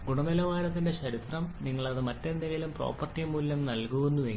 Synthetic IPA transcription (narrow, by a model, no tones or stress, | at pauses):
ɡuɳɐmɐlɐʋaːɾɐt̪ːinde̞ɕɐɾit̪rɐmniŋːɐɭɐðɨmɐtːe̞nd̪ɐɣɐjilumpro̞̰ːpːɐrtːiɐmuːljɐmnɐlkuʋunːuʋe